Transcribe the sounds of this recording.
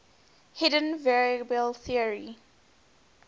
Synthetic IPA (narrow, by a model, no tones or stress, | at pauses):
hɛdə̃nvɛɹbəlθiəɹi